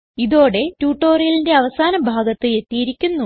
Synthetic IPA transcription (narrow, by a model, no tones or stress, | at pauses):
iðo̞ːɽe̞tuːʈːo̞ːrijɐlinde̞ɐʋɐsaːnɐbʱaːɡɐt̪ːɨe̞t̪ːijiɾikʲːunːu